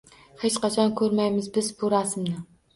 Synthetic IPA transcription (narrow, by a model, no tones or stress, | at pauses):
het͡ʃqɑt͡ʃʰɑnkʲʰɵɾmɛjmɪzbɪzbuɾɑːsɨmnɪ